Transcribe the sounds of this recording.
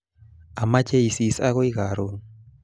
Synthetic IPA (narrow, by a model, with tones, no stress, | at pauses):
a˨ma˦t͡ʃe˦i˨si˨sa˦ɣo˦i˦ɣa˨ɾo˦ŋ